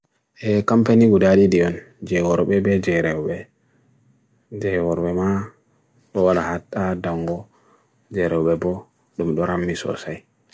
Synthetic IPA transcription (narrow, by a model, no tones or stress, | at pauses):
ʔɛkampaniɡudaɗidiɔn | d͡ʒɛwɔɾɓɛbɛd͡ʒɛɾɛwɓɛ | d͡ʒɛwɔɾɓɛma | ɗɔwalahatːadaŋɡɔ | d͡ʒɛɾɛwɓɛbɔ | ɗumɗɔɾamːisɔ̰saj